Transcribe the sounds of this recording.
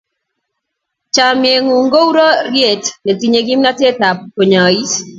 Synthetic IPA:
t͡ʃa˨mje˨ŋu˨ŋɡo˦u˦ɾo˦ɾje˦˨tne˨ti˨ɲe˨ɡi˦mna˦te˦ta˨pko˨ɲa˨i˦s

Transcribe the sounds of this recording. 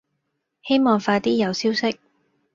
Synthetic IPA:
he˥jmɔː˨ŋfaː˧t̪iː˥jɐ˨˧wsiː˥wsɪ˥k̚

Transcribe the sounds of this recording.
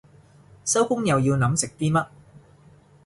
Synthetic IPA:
sɐ˥wkʊ˥ŋjɐ˨wjiː˧wnɐ˨˥msɪ˨k̚t̪iː˥mɐ˥t̚

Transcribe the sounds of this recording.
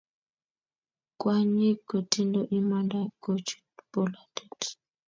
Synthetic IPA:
kʼwa˦ɲi˦ko˨ti˦ndo˦ʔi˦ma˦nda˦ko˦t͡ʃu̥˦b̥o˦la˨de˨t

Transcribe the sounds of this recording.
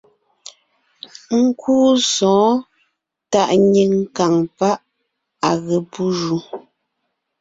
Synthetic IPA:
ŋ̩˦kʰuː˦sɔ̃ː˨˦ | ta˦˨ʔɲe˨ŋ˦ka˨ŋpa˦ʔ | a˨ɣe˨pu˦ʒu˨

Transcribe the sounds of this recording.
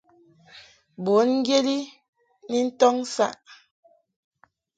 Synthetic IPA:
bo˨˦nŋ̩˦ɡje˦li˦ | ni˦n̩˦tɔ˦ŋ̩˦sa̰˦˨ʔ

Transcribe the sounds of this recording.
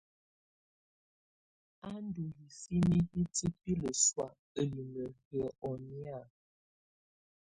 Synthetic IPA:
a˦n˦du˨ji˨si˦ni˦i˦tə˦pi˦lə˨swa˦˨ | ə˨li˨mə˨ɣə˨˦ʔɔ˨ni˦a˨

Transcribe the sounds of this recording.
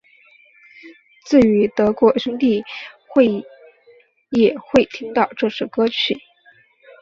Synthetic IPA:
t͡sɹ̩˥˩y˧˥t̪ɤ˧˥kwɔ˧˥ɕə˥ŋt̪i˥˩xwe˥˧ɪ | jɛ˨˩xwe˥˩ɪt̪ʰi˥ŋt̪ɑ˥˧ʊʈ͡ʂɤ˥˧ʂɻ̩˥˩kɤ˥t͡ɕʰy̰˨˩˦

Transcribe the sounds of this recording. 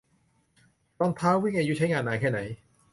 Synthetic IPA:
t̪ɔ˧˩ŋt̪ʰaː˦˥wi˥˩ŋʔaː˧ju˦˥t͡ɕʰa˦˥jŋaː˧nːaː˧kʰɛː˥˩na˩˦j

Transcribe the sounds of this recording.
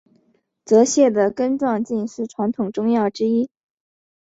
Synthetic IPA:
t͡sɤ˧˥ɕjɛ˥˩d̪ə˩kə˥nʈ͡ʂwɑ˥˧ŋt͡ɕi˥˧nʂɻ̩˥˩ʈ͡ʂʰwa˧˥nt̪ʰʊ˨˩ŋʈ͡ʂʊ˥ŋjɑ˥˩ʊʈ͡ʂɻ̩˥i˥

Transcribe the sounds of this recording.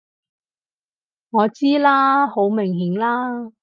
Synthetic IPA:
ŋɔː˨˧t͡siː˥laː˥ho˨˥wmɪ˨˩ŋɦiː˨˥ŋlaː˥

